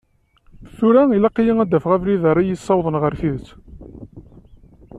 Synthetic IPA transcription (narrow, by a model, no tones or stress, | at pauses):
θuɾæilɑqːijəŋæd̪ːæfʁævliðəɾˤːæjisˤːɑwðˤənʁəɾθiðət͡sː